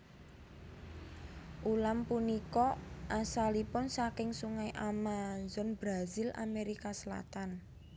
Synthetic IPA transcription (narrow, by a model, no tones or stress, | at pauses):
ʔulampunikɔʔasalipʊnsakɪŋsuŋajʔamazɔnbɾazila̰meɾikasəla̰t̪an